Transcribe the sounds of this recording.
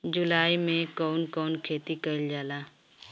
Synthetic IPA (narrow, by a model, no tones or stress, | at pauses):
d͡ʒulaːimẽkɔʊnkɔːnkʰeːt̪ikəɪld͡ʒaːlaː